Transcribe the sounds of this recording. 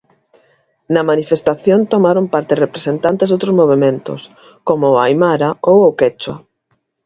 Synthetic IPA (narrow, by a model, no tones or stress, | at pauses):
nɐmanifest̪aθjont̪omaɾompaɾt̪erepɾesent̪ant̪ezðowt̪ɾozmoβ̞emẽnt̪ʊ̰s | komʊajmaɾaowʊket͡ʃwa̰